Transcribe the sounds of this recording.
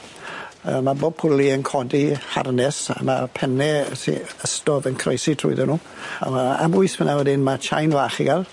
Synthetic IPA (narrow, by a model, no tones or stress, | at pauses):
ə̰maboːb̚pʰʊlˠiənkʰɔdiha̰rnɛsa̰mapʰɛnɛsḭəstɔðənkʰrejsitʰrṵːɨðɛnuː | a̰aa̰bʊɨspʰənawədɪnmat͡ʃʰa̰jnvaːχiɡalˠ